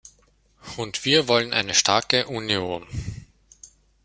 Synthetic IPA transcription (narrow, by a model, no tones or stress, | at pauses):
ʊntv̥iːɐvɔlənʔa̰ɪnəʃtʰaɐkəʔunjoːn